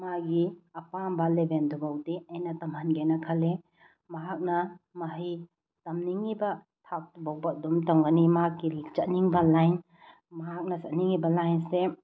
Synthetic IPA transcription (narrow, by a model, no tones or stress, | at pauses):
maɡiɐpambalebend̪ʰubawdiɐjnatɐmɐnɡenakʰɐle | mɐɦak̚namaɦi | tɐmniŋiba | tʰak̚tubawbad̪umtɐŋɡanimaɦakːilik̚t͡ʃɐtniŋbalajn | maɦak̚nasɐniŋibɐlajnse